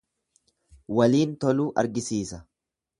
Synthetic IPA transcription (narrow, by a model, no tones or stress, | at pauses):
wɐliːnt̪ɔluːʔɐ̰ɾɡɪsiːsɐ